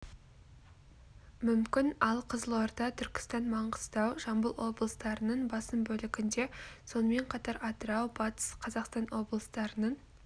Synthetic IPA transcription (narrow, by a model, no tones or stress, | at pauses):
mʏmkʲɪnɑlˠqʰəzəlˠoɾd̪ɑt̪ʰʏɾkʲɪ̥st̪ɑnmɑɴʁəst̪ɑwʒɑmbəlˠwo̞blˠəst̪ɑɾənəɴbɑsəmbɵlɪɡʲɪnd̪e̞so̞nəme̞ɴqʰɑt̪ɑɾɑt̪əɾɑwbɑt̪ə̥sqʰɑzɑqst̪ɑnwo̞blˠəst̪ɑɾənəɴ